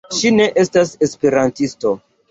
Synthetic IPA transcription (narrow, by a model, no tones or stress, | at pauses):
ʃine̞ʔe̞stase̞spe̞ɾantisto̞